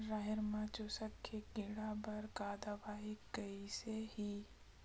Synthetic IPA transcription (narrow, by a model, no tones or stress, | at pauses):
ɾaɦɪɾmãt͡ʃusəkʰːekiɽabɐɾkaːd̪aʋaːɦikəisehi